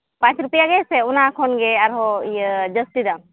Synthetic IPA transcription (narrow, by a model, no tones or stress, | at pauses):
pãːt͡ʃɾupijaɡeseunakʰonɡeaɾɦojd͡ʒəsʈ̪id̪a